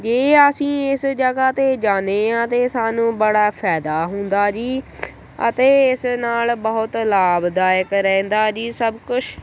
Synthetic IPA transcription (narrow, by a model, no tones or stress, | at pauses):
d͡ʒeːəsĩːɪsd͡ʒəɡaːt̪eːd͡ʒaːneːãːt̪eːsaːnũːbəɽaːpʰɛːd̪aːɦʊnd̪aːd͡ʒiː | ə̰t̪eːɪsnaːlbəɦʊt̪laːbd̪aːjəkɾɛ̃ːnd̪aːd͡ʒiːsəbkʊt͡ʃʰ